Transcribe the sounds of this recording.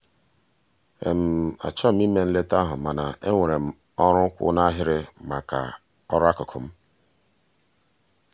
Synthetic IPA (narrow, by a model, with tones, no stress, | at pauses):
e˨m̩˨a̰˨t͡ʃɔ˦m̩˦i˦me˨n̩˦le˦ta˦ɦʊ˨ma˨na˨e˦ŋʷe˨ɾe˨m̩˨ | ɔ˦ɾʊ˦kʷʊ̰˦na˦ɦɪ˦ɾɪ˦ma˨ka̰˨ | ɔ˦ɾa˦kʊ˨kʰʊ˨m̩˦